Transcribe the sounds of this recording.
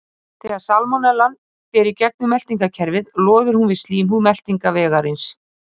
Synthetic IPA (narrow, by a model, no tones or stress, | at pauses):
θɛːɣaɾsalmɔnɛlan | pɛːɾicɛk̚nʏmɛl̥t̪iŋkacʰɛɾvɪðlɔːðʏɾ̥hunvɪðst̪liːmumɛl̥t̪iŋkavɛːɣaɾɪns